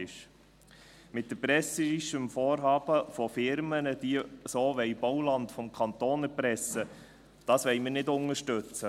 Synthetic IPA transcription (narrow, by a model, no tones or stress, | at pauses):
ɪʃ | mɪt̚d̥əpɾɛsəɪʃəmfoːɾɦɑːbəfɔfɪɾmənəd̥iəsoːʋɛɪb̥ɔwlɑntfɔmkʰɑnt̪oːnɛɾpɾɛsə | d̥ɑːsʋɛɪməɾnɪdʊŋəʃtɵt͡sə